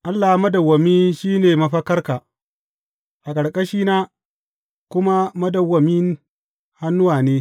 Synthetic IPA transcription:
ʔa˦lːa˨ha˦mɐ˦dɐ˨wːɐ˨mi˦nʃiː˦neː˨mɐ˦ɸɐ˦kɐ˦rkaː˨ | ʔa˨kʼɐ˨ɽkʼɐ˦ʃiː˦naː˦ | kʷʊ˦ma˦mɐ˦dɐ˨wːɐ˨mɪ˦n | ha˦nːʊ˦waː˨neː˦

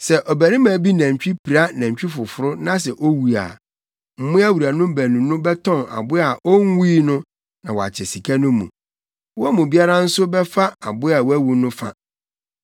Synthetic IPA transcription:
sɛ˨ʔɔ˨bæ˨ɾĩ˦mãː˨bi˦nã˨ɲ˨t͡ɕᶣi˦pʰi˨ɾa˦nã˨ɲ˨t͡ɕᶣi˦fʊ˨fʊ˨ɾʊ˦nã˦s̬ɛ˨ʔo˦wu˨a̰˨ | m̩˦mʊ̃˦æ˦wu˨ɾa˨nʊ̃˦bæ˨nũ˨nʊ̃˦bɛ˦tʰɔ̃˦na̰˨bʊ˦a˨ʔo˦ŋ˦wiː˦nʊ̃˦ | nã˨wɔ˨a̰˨t͡ɕʰɛ˨si˨kʰa˦nʊ̃˦mṵ̃˨ | wɔ˦a˦mũ˨bi˦a˦ɾã˦n̩˦sʊ˦bɛ˦fa˦a˨bʊ˦a˨wæ˦wu˨nʊ̃˦fa̰˦

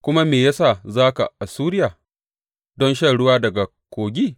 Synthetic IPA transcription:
kʷʊ˦ma˦meː˨ja˦saː˦˨zaː˦ka̰˨ʔa˨suː˦ɾɪ˦jaː˨ | dɔ˦nʃɐ˦˨ɽʊ˦waː˦dɐ˨ɡa˨ | kʷoː˨ɡʲiː˦

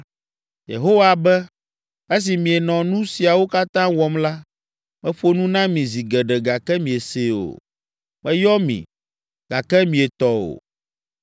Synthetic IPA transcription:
jḛ˨ɦo˦wa˨bɛ˦ | e˦s̬i˨mĩ˨ɛ˨nɔ̃˨nũ˦si˨a˨wo˦ka˦t̪ã˦wɔ˨mla˦ | mɛ̃˦ɸo˦nũ˦nã˦mĩ˨zi˨ɡɛ˨ɖɛ˨ɡa˨kɛ˦mĩ˨e˨se˨o̰˨ | mɛ̃˦jɔ˦mḭ̃˨ | ɡ̥a˨kɛ˦mĩ˨e˨t̪ɔ˦o̰˨

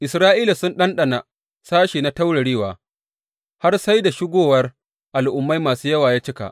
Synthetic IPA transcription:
ʔɪ˨sɾaː˦ʔiː˦la˨sʊ˦nɗɐ˦nɗɐ˨na˨ | saː˦ʃiː˨na˦ta˦wɽɐ˨ɽiː˦waː˨ | ha˦rsa˦jda˨ʃɪ˦ɡʷoː˨wɐ˦r | ʔa˨lʔʊ˨mːa˦jmaː˨suː˦jɐ˦waː˨jaː˦t͡ʃɪ˦ka̰˨ʔ

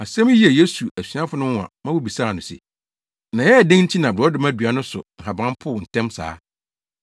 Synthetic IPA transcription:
a˨sɛ̃˦m˦i˦ɛ˨je˦su˨ʔæ˨si˨˦ã˦fʊ˨˦nʊ̃˦˨ã̰˨mã˦wʊ˦bi˨saː˦˨nʊ̃˨sɪ̰˨ | nã˨jɛ˦a˨dẽ˦ŋn̩˦t͡ɕʰi˦nã˨bɪ˨ɾɔ˦dɪ˦mã˦dɥa˦nʊ̃˦sʊ̰˨ŋ̩˨ɦa˨bã˦m˦pʰʊ˦˨wʊ̃˨n̩˨tʰɛ̃˦msa̰ː˦

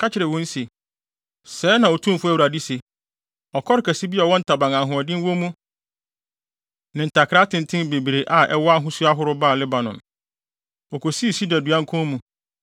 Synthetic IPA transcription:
kʰa˦t͡ɕʰɪ˨ɾɛ˨wɔ̃˦n̩˦se˨ | sɛː˨˦nã˨ɔ˨tʰũ˦m˦fʊ˦æ˨wu˨ɾa˨di˦se˨ | ɔ˨kʰɔ˦ɾɪ˨˦kʰɛ˨si˦bi˦ɔ˨wɔ̃˦n̩˦tʰa˨bã˨ŋã˨ɦʊ̃˨ɔ˨dɪ̃˦n˦wɔ̃˦mũ˦ | nɪ̃˨n̩˨tʰa˨kʰɪ˨ɾa˦tʰɪ̃˨n˨tʰɪ̃˦n˦be˨bɾe˨ʔa˨ʔɛ̰˦wɔ˦a˦ɦʊ̃˦su˦a˦ɦʊ˦ɾʊ˦baː˦˨lɪ˦ba˨nɔ̃˨ | ɔ˨kʰo˨si˦˨si˦dɛ˨du˨ã˦ŋ˦kʰɔ̃˦mũ˨

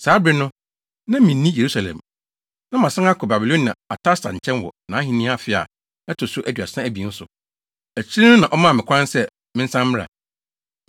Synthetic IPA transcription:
saː˨˦bɾɪ˦nʊ̃˦ | nã˦mĩ˨n̩ː˦ĩ˦je˨ɾu˦sa˨lɛ̰̃˨m | nã˦mã˨sã˦a˦kʰʊ˨ba˨bi˨lõ˦nːã̰˨a˨tʰa˦stã̰˨ɲ̩˨t͡ɕʰɛ̃˦nwɔ̰˨nã˨˦ɦĩ˨nĩ˦a˦˨fɪ˦a̰˨ | ɛ˦tʰʊ˨sʊ˦ʔæ˦dɥa̰˨sã˦æ˨bi˨˦n̩˦sʊ˨ | æ˨t͡ɕʰĩ˦nã˨ʔɔ˦mã˦˨mɪ̃˨kʰʷã˦nsɛ˦ | mɪ̃˦n̩˦sã˦mm˦ɾa̰˨

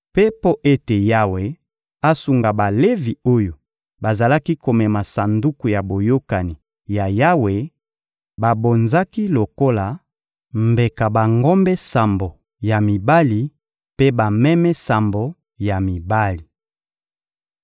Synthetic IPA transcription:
pe˦po˦ʔe˦te˨ja˦we˨ | a˦su˨ŋɡa˨ba˨le˦vi˨o˦jo˨ | ba˨za˨la˦ki˦ko˨mɛ˨ma˨sa˨ndu˦ku˨ja˨bo˨jo˦ka˨ni˨ | ja˨ja˦we˨ | ba˨bo˨nza˦ki˦lo˨ko˦la˨ | mbe˨ka˨ba˨ŋɡo˦mbɛ˦sa˨mbo˨ | ja˨mi˨ba˦li˨ | pe˦ba˨mɛ˦mɛ˦sa˨mbo˨ | ja˨mi˨ba˦li˨

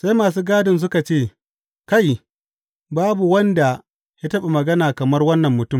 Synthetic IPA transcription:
sa˦jmaː˨s̬uː˦ɡaː˦dɪ˨ns̬ʊ˦ka˨t͡ʃeː˦˨ | ka˦j | baː˦bu˨wɐ˦nda˨ | ja˦tɐ˦ɓe˨mɐ˨ɡɐ˦naː˨kɐ˨mɐ˦rwɐ˦nːɐ˨mːʊ˨tʊ˦˨m

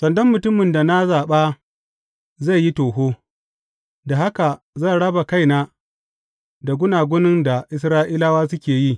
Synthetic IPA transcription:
sɐ˨ndɔ˦mːʊ˨tʊ˦mɪ˨nda˨na˦zaː˨ɓaː˦ | za˦˨jːi˦toː˨ɦoː˦ | da˨ha˦ka˨ | za˦˨ɽɐ˦ba˨ka˦jnaː˦ | da˨ɡʷʊ˦naː˨ɡʷʊ˦nɪ˦nda˨ʔɪ˦s̬ɾaː˦ʔiː˦la˦waː˦sʊ˦kʲeː˨ji˦

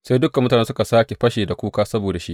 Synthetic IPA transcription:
sa˦jdʊ˦kɐ˨mːʊ˦ta˨ne˦sʊ˦ka˨saː˦kʲe˨ɸɐ˦ʃeː˨da˨kʷuː˦kaː˦sɐ˦boː˨da˨ʃḭ˦ʔ

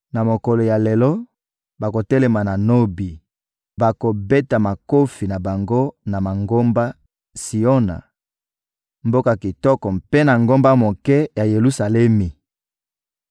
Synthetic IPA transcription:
na˨mo˨kɔ˨lo˨ja˨le˨lɔ˦ | ba˨ko˨tɛ˦le˨ma˨na˨no˦bi˨ | ba˨ko˨bɛ˦ta˨ma˨ko˦fi˨na˨ba˨ŋɡo˦na˨ma˨ŋɡo˦mba˦ | si˨ɔ˦na̰˨ | mbo˦ka˨ki˨tɔ˦kɔ˨mpe˦na˨ŋɡo˦mba˦mo˨kɛ˦ja˨je˨lu˦sa˨lɛ˦mi˨

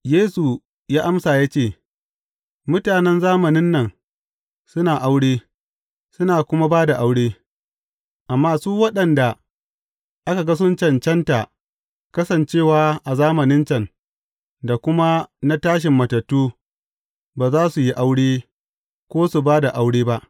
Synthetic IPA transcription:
jeː˦su˨ | jaː˦ʔa˦msaː˨jaː˦t͡ʃeː˦˨ | mʊ˦taː˨nɛ˦nzaː˦mɐ˨nɪ˦nːɐ˨ŋ | sʊ˦naː˨ʔa˦wɽeː˦ | sʊ˦naː˨kʷʊ˦ma˦baː˦da˨ʔa˦wɽeː˦ | ʔa˨mːaː˦suː˦wɐ˦ɗɐ˨nda˨ | ʔa˦ka˨ɡa˦s̬ʊ˦nt͡ʃɐ˦˨nt͡ʃɛ˦nta˨ʔ | kɐ˦sɐ˨nt͡ʃeː˦˨waː˨˦ʔa˨zaː˦mɐ˨nɪ˦nt͡ʃɐ˦n | da˨kʷʊ˦ma˦na˦taː˦ʃ̬ɪ˨mːɐ˨tɐ˨tːuː˦ | baː˨zaː˦su˨ji˦ʔa˦wɽeː˦ | kʷoː˦su˨baː˦da˨ʔa˦wɽeː˦ba˦ʔ

